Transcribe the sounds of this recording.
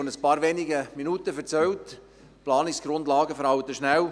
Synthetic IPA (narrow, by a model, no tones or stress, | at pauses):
onəspɑːɾʋeːniɡəminutəfɛɾt͡sœwt | plɑːnɪsɡ̥ɾʊndlɑːɡəfəɾhɑwt̪əʃnæw